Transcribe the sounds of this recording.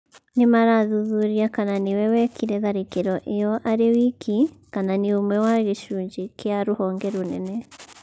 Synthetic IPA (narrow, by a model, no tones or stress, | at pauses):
nimaɾaðuðuɾiakananiwɛwɛkiɾɛðaɾekeɾɔʔejɔʔaɾewikʰikananiomwɛwaɣeʃuːɲɟikjaɾuhɔːŋɡɛɾunɛnɛ